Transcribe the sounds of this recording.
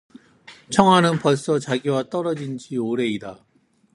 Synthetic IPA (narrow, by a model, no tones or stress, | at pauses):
t͡ɕʰʌŋɦwanɯnpʌɭs͈ʌt͡ɕaɡiwat͈ʌɾʌd͡ʑind͡ʑioɾe̞ida